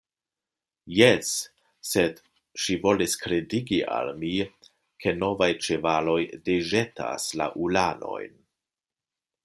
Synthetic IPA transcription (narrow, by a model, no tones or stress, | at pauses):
jes | se̞d | ʃivo̞liskɾediɡiʔa̰lmi | kʰe̞no̞vajt͡ʃe̞valo̞jdeʒe̞tʰa̰sla̰ʔulano̞̰jn